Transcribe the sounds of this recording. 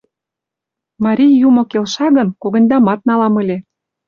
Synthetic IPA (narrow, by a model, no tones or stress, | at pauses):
mɑɾʲijːumŏkelʃɑɣə̆nkoɣɤ̆nʲd̪ɑmɑt̪̚nɑlɑmɤ̆lʲe